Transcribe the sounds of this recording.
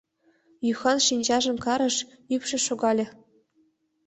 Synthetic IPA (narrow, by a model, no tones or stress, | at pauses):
jyxɑnʂinʲd͡ʑɑʐɤ̆mkɑɾɤ̆ʂ | ypʲʃɘ̆ʃoɡɑlʲɘ̆